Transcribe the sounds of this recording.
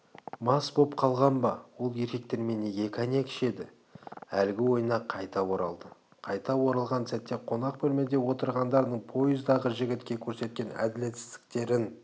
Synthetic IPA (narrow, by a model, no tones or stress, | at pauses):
mɑsbo̞pqʰɑlˠʁɑnbɑwo̞lˠje̞ɾkʲe̞k̚t̪eɾme̞nejʲe̞kʲɑnekʲʰɪ̥ʃe̞d̪ɪ | ælɡʲɪwo̞jənɑqʰɑjt̪ɑwo̞ɾɑlˠd̪ə | qʰɑjt̪ɑwo̞ɾɑlˠʁɑnsæt̪ːe̞qʰo̞nɑq̚bɵlme̞d̪e̞wo̞t̪əɾʁɑnd̪ɑɾd̪əɴpʰo̞jɪzd̪ɑʁəʒɪɡʲɪt̪kʲe̞kʲʰɵɾse̞t̪̚kʲe̞næ̰d̪ɪle̞t̪sɪ̥zd̪ɪ̥k̚t̪e̞ɾɪn